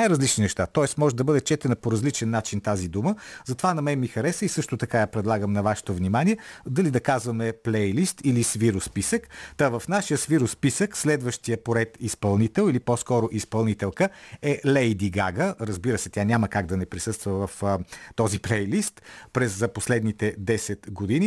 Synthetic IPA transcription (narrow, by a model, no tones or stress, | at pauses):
najɾɐzlit͡ʃninɛʃt̪at̪ɔɛsmɔʒɛd̪ɐbɤd̪ɛt͡ʃɛt̪ɛnəpoɾɐzlit͡ʃɛnːat͡ʃint̪azid̪uməzɐt̪ovanɐmɛmixɐɾɛsəisɤʃt̪ot̪ɐkajapɾɛd̪lˠaɡəmnɐvaʃɛ̥t̪ovnimaniɛd̪ɐlid̪ɐkazvɐmɛplɛjlist̪ilisviɾʊspisəkt̪əvɐfnaʃijəsviɾʊspisəkslɛd̪vəʃt̪ijəpoɾɛt̪ispɐlˠnit̪ɛlˠilipɔskɔɾoʔispɐlˠnit̪ɛlˠkəɛlɛjd̪iɡaɡəɾəzbiɾəsɛt̪ʲanʲaməkaɡd̪ɐnɛpɾisɤst̪vəvɐft̪ɔziplɛjlist̪pɾɛzəposlɛd̪nit̪ɛd̪ɛsɛt̪ɡod̪ini